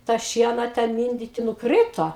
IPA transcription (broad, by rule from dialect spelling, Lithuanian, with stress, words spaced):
tɑː ˈʃʲiɛnɐ ˈtʲɛn ˈmʲɪnʲdʲɪtʲɪ nʊˈkrʲiːtoː